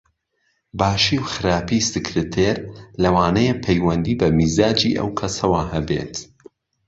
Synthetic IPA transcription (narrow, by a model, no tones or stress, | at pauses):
baːʃiwxɨɾaːpisɨkɾɨt̪ʰeɾlɐwaːnɐjepʰɛjwɐnd̪iːbɐmiːzaːd͡ʒiʔɐ̰wkʰɐsɐwahɐbḛt̪